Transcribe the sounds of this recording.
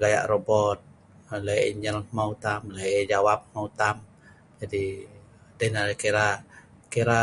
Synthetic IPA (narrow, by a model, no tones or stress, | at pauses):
ɡaja̰ʔrobɔt̪̚ | ləjḭɲd͡ʒəlmaut̪amləd͡ʒawap̚maut̪am | d͡ʒadi | dɛhnalkiɾa | kiɾa